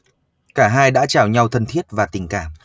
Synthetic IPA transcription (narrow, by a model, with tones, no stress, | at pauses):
kaː˧˩ɦaː˧jɗa̰ː˧˥t͡ɕaː˧˩wɲa˧wt̪ʰə˧nt̪ʰi˦˥ət̚vaː˨˩t̪ï˨˩ŋ̟kaː˧˩m